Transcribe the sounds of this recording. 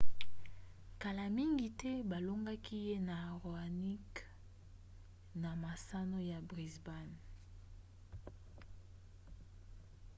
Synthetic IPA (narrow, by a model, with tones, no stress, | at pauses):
ka˨la˨mi˦ŋɡi˨tɛ˦ba˨lo˦ŋɡa˦kʰi˦je˦na˨ʁo˨a˨ni˦k | na˨ma˨sa˦no˦ja˨bʁi˨zba˦˨n